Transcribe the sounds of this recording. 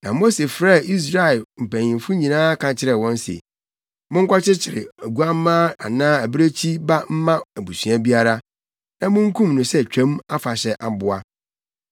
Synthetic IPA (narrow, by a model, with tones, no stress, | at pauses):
nã˨mo˦se˨fɾɛ˦˨ʔi˦s̬ɾa˦˨lm̩˨pʰæ̃˨ɲɪ̃˨m˨fʊ˦ɲĩ˨nãː˦kʰã˨t͡ɕʰɪ˦ɾɛ˨wɔ̃˦n˦sḛ˨ | mʊ̃˦ŋ˦kʷa˦t͡ɕɪ˦t͡ɕʰɪ˨ɾɪ˨æ˨ɡu˦a˦m˦mãː˦a̰˨nãː˦æ˨bɾe˦t͡ɕʰi˦ba˦m̩˦mã˦æ˨bu˨sɥæ˦bi˦a˦ɾa˦ | nã˨mʊ̃˦ŋ̩˦kʰũ˦mnʊ̃˨sɛ˦˨t͡ɕᶣʰã˦ma˦fa˨ɕɛ˨ʔa˨bʊ˦a˦